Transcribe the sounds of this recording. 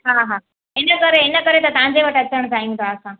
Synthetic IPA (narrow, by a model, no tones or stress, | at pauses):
ɦãɦã | enəkəɾeːnəkəɾet̪ət̪ãd͡zeʋəʈəsʰənt̪aĩŋt̪aːsã